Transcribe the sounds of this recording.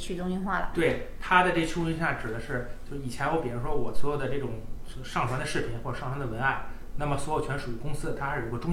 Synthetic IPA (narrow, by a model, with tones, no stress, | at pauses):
t͡ɕʰy˥˩ʈ͡ʂʊ˥ŋy˥˧nxwa˥˩lə̰˩t̪we˥˩ɪt̪ʰa˥d̪ə˨˧ʈ͡ʂɤ˥˩ɡə˩t͡ɕʰu˥y˥nɕja˥˩ʈ͡ʂɻ̩˨˩d̪ə˦ʂɻ̩˥˩t͡ɕjo˥˧ʊʂ̩˧˩i˨˩t͡ɕʰjɛ˧˥nwɔ˧˥pi˨˩ʈ͡ʂu˧˥ʂwɔ˥wɔ˨˩swɔ˧˥jo˨˩ʊd̪ə˦ʈ͡ʂɤ˥˩ʈ͡ʂʊ˨˩ŋ˧˩ | ʂɑ˥˩ŋt̪ʰwa˥nd̪ə˧ʂɻ̩˥˩pʰi˨˩˥nxwɔ˥˩ʈ͡ʂʂɑ˥˧t̪ʰa˧˥nd̪ə˧wə˧˥na˥˩ɪ | na˥˩mə˩swɔ˧˥jo˨˩ʊt͡ɕʰɥɛ˧˥nʂu˨˩y˧˥˩kʊ˥ŋsɹ̩˥ə˨t̪ʰa˥ɻ̩˥˩u˧˥kɔ˧ʈ͡ʂʊ˥